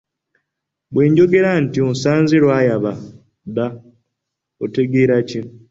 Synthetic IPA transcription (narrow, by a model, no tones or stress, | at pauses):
bwe̞ːɲɟo̞ɡe̞ɾantionsaːnziɾwaːjaβa | ða | ote̞ɡeːɾace